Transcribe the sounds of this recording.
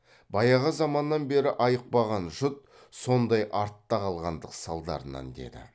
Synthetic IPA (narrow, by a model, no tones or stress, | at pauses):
bɑjɑʁəzɑmɑnːɑnbe̞ɾɪʔɑjəq̚pɑʁɑnʒʊt̪̚ | so̞nd̪ɑjʔɑɾt̪ːɑqʰɑlˠʁɑnd̪əqsɑlˠd̪ɑ̰ɾənɑ̰nd̪e̞̰d̪ɪ̰